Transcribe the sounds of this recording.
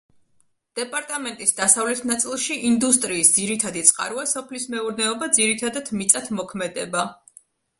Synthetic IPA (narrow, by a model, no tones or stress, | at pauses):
d̪̥ɛpʼaɾt̪ʼamɛnt̪ʼisd̪asavlɛt̪ʰnat̪sʼilˠʃiʔind̪us̬t̪ʼɾiːsd̪z̥iɾit̪ʰad̪it̪sʼqʼa̰ɾuasɔpʰlismɛuɾnɛɔbad̪ziɾit̪ʰad̪at̪ʰmit̪sʼat̪ʰmɔkʰmɛd̪ɛba